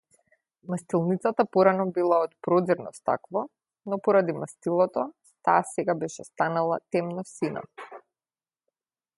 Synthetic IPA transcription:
mast̪ilˠnit̪sat̪apɔɾanɔbilˠaɔt̪pɾɔziɾnɔst̪a̰kvɔ | nɔpɔɾad̪imast̪ilˠɔt̪ɔ | t̪aːsɛɡabɛʃɛst̪analˠat̪ɛmnɔsina̰

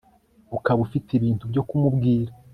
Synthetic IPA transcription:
ukaβufitiβiːntubɟo̞kumubɡiːɾa

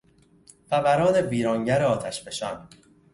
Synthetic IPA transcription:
fævæɾɒːnebiːɾɒːŋɟæɾeɒːt̪ʰæʃbe̞ʃɒːn

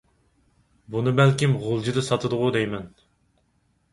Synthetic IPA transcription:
bunɨbælkʲimʁolˠd͡ʒid̪ɨsɑt̪ʰɨd̪ʊʁʊd̪ɛjmɛn

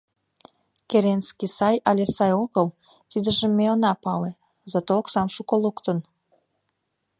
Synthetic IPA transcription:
keɾenskisɑjɑlʲesɑjoɣəl | t̪id̪əʒĕmːeonɑpɑle | zɑt̪ooksɑmʃukolukt̪ən

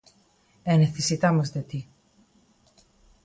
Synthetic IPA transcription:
eneθisit̪ɐmɐst̪et̪i

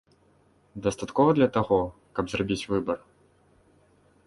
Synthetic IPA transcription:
d̪ɐst̪at̪kɔvɐd̪lʲɐt̪aɣɔ | kɐbzrabʲit͡sʲvɨbɐr

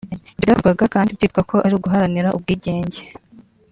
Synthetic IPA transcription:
βiɾavuɡaɡakaːndibtiːt̚kwakʰo̞ʔaɾiːɡuɦaɾaniɾaʔub̚ɡiːɟe̞ːɲɟe̞

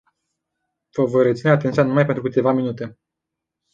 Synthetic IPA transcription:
vəvojret̪sineat̪e̞nt̪sjanumajpet̪ɾukɨt̪e̞vaminut̪e̞

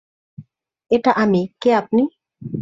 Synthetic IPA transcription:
eʈaʔamikeap̪̚ni

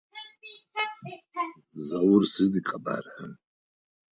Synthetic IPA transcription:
zawʊrsɨdikʼaba̰rħan

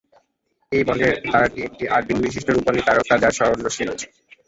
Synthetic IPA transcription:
ejbɔɳɖeɾd̪aɾaʈiek̚ʈiʔaɾbinbiʃ̬iʃʈoɾupanit̪aɾok̪ːad͡ʑaɾʃɔɾonːoʃilot͡ɕʰe̥

